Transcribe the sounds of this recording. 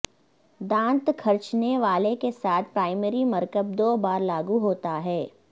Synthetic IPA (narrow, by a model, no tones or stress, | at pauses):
d̪ãːnt̪kʰɐɾt͡ʃneʋaːlekesaːt̪̚ʰpɾaːɪmeɾimɐɾkəb̚d̪oːbaːɾlaːɡuɦoːt̪aɦɛː